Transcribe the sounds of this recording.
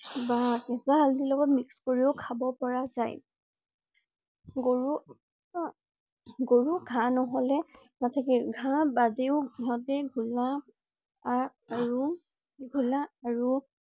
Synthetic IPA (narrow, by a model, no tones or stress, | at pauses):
bakɛzaɦaldilɔɡɔtmikskoɹiʊkʰabɔpɔɹazaj | ɡoɹu | ɡoɹuɡʱãnɔɦɔlɛ | natʰakiɡʱãbadeʊɦɔtɛɡʱula | ɹu | ɡʱulaːɹu